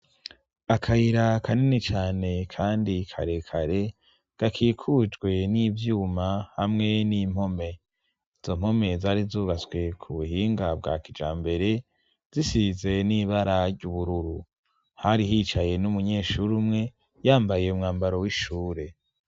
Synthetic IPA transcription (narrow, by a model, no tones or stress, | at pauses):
akʰaiɾakʰaninit͡ʃaːne̞kʰaːndikʰa̰ɾe̞kʰaɾe̞ | ɡ̥akʰiːkʰud͡ʒɡwe̞nivjuːmahamŋe̞nim̥ho̞me̞ | iz̥o̞m̥ho̞me̞zaːɾizuːɡaswe̞kʰuβuɦiːŋɡabɡa̰ːkid͡ʒa̰ːmbe̞ɾe̞ | z̥isize̞niːβaɾaɾɟuβuɾuɾu | haɾiɦiːt͡ʃaje̞numuɲe̞ːʃuɾumŋe̞ | jaːmbaje̞umŋaːmbaɾowiʃuːɾe̞